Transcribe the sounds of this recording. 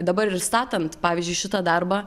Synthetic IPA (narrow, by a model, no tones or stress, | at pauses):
d̪ɐbɐɾɪɾst̪ɑːt̪ɐnt̪pɑːʋʲɪzʲd͡ʒʲʊɪʃʲɪt̪ɐd̪ɐɾbɑ